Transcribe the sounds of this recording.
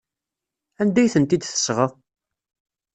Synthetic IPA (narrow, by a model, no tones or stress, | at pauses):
ænd̪æjθənt̪id̪θə̥sʁə